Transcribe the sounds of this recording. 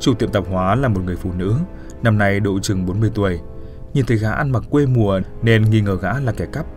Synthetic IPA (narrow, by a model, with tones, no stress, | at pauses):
t͡ɕu˨˩t̪ḭ˧˨əmt̪ə˨˩p̚hwaː˨˦laː˨˩mo˨˩t̚ŋɨ˨˩əjfṵ˧˨nɨ̰˧˥ | na˧mna˧jɗo̰˧˨t͡ɕɨ˨˩ŋɓo˨˦nmɨ˧˩əjt̪u˨˩əj | ɲi˨˩nt̪ʰə˨˦jɣaː˨˦ʔa˧nma˨˩k̚kwe˧mu˨˩əne˧nŋi˧ŋəː˧˩ɣa̰ː˧˥laː˨˩kɛ˧˩ka˦˥p̚